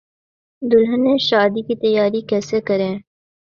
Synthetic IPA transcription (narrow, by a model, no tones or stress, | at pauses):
d̪ʊlɦɐnẽːʃaːd̪ikit̪ɐjaːɾikɛːsekɐɾẽː